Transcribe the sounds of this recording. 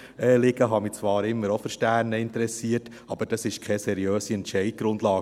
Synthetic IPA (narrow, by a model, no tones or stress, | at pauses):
ɛːlɪɡəɦɑmit͡sʋɑːɾɪmːəɾofʏɾʃtæːɾnəɪntəɾɛsiːət | ɑb̥əɾd̥ɑsɪʃkʰɛsɛɾiøːsiɛntʃɛɪd̥̚ɡ̥ɾʊndlɑː